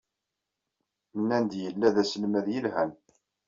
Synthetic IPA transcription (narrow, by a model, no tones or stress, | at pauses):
mənːænd̪jəlːæðæslmæðjəlhæn